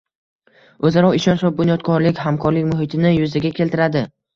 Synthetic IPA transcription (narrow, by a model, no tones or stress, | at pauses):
ɵzaɾɒɪʃɒnʃɾɒbʊnjɒt̪kʰɒɾlɪkʲɦamkʰɒɾlɪkʲmʊɦɪt̪ʰɪnɪjʊzɪɡʲakʲʰe̞lt̪ʰɪɾad̪ɪ